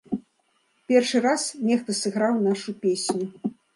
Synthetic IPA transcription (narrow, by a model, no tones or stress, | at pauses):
pʲɛrʂɨɾasnʲɛxt̪ɐsɨɣɾawnaʂupʲesʲnʲu